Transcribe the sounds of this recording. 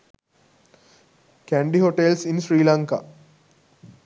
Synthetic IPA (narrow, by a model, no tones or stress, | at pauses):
kæɳɖiɦoʈelsinʃɾiːlãŋka̰